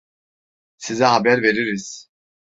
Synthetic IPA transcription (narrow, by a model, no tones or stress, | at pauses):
sizɛɦabæɾve̞ɾiɾiz̥